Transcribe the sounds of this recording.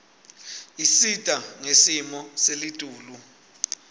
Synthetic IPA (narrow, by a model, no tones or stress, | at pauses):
isitʼaŋesimɔselid̥ʱʼuːlu